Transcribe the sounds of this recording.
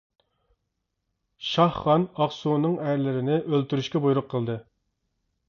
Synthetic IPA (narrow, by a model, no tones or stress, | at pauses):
ʃɑhχːɑnɑχsunɨŋæɾlɪɾɪnɪʔølt̪yɾyʃkʲɛbujuɾʊqʰːəlˠd̪ɨ